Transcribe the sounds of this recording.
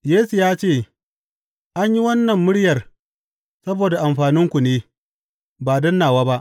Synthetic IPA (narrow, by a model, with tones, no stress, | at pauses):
jeː˦su˨jaː˦t͡ʃeː˦˨ | ʔa˦ɲji˦wɐ˦nːɐ˨mːʊ˦ɽjɐ˨r | sɐ˦boː˨da˨ʔa˨mɸaː˨nɪ˦ŋkʷu˨neː˦ | baː˨dɐ˦nːaː˨waː˦ba˦ʔ